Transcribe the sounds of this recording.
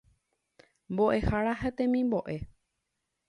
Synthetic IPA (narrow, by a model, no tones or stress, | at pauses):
mbo̞ʔe̞haɾaɦet̪ẽmĩmbo̞ʔe̞